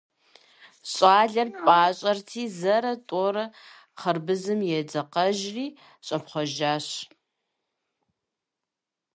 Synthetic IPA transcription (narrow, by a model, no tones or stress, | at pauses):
ɕʼaːɮɐrpʼaːɕʼɐrtʰiːzɐɾɐtʼoːɾɐ | χɐrbɨzɨmjɛd͡zɐqɐʒriː | ɕʼɐpχʷɔʒaːɕ